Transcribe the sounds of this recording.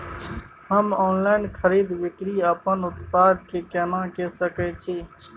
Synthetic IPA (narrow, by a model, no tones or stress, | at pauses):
həmɔːnlaːɪnkʰəɾiːd̪ʋɪkɾiːəpənʊt̪paːd̪kekenãːkesəkɛt͡ʃʰiː